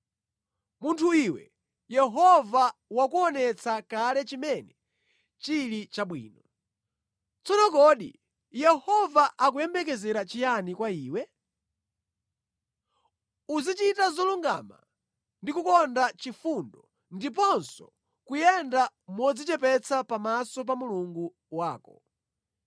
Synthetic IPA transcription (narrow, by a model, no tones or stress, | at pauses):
muntʰuiwɛ̰ | jɛɦɔvawakuɔnɛt͡sʰakalɛt͡ʃimɛnɛ | t͡ʃilit͡ʃaɓwḭːnɔ | t͡sɔnɔkɔɗi | jɛhɔvaʔak̬ujɛmbɛk̬ɛzɛɾat͡ʃijanikwaiːwɛ | uzit͡ʃitazɔluŋɡa̰ma̰ | ndikukɔndat͡ʃifundɔ | ndipɔnsɔ | kujɛndamwɔd͡zit͡ʃɛpɛt͡sʰapamasɔp̬amuluŋɡu | waːkɔ